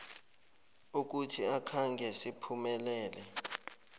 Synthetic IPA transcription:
uk̬utʰiakʰaŋɡʱɛsipʰumɛlɛːlɛ

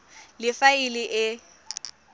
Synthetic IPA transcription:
lɪfaɪlɪʔɪ

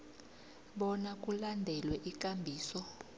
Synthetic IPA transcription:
ɓɔnak̬ʼulandʱɛlwɛʔikʼambʱiːsɔ

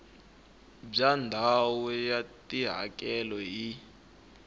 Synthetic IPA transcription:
b͡ʐandʱawɔjatʼiɦa̰kʼɛlɔɦi

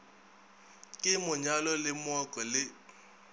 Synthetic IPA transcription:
kʼɪmʊɲalɔlɪmɔkʼɔlɪ

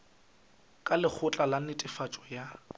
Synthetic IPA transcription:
kʼalɪk͡xʰʊt͡ɬʼalanɪtʼɪfat͡ʃʼɔja

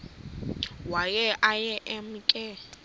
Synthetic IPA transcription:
wak̬ʼɛʔajɛʔɛm̩kʼɛ

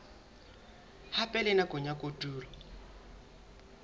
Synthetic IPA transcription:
hapʼɛlɛnakʼʊɲakʼotʼuːlɔ

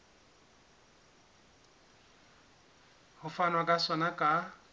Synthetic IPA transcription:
hʊfanwakʼasɔnakʼa

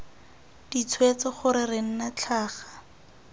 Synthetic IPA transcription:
d̥it͡sʰwet͡sɔχʊɾɪrɪŋ̩nat͡ɬʰaːχḁ

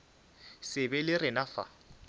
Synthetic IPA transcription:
sɪbɛlɪrɪnafa̰

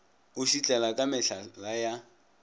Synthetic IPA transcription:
ʊʃit͡ɬʼɛlakʼamɪɬalaja

